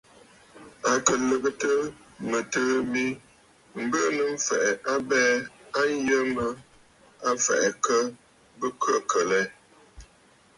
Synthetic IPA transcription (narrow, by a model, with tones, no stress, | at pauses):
a˨kə˨lə˨kə˦tə˦ | mə˨təː˦bi˦ | m̩˨˦bə˦nə˨m̩˦fɛ˨ʔɛ˨ʔa˦bɛː˦a˦n˦jə˦mə˦ | a˦fɛ̰˨ʔɛ˨kə˦ | bə˦kʰə˦˨kʰə˨lɛ˦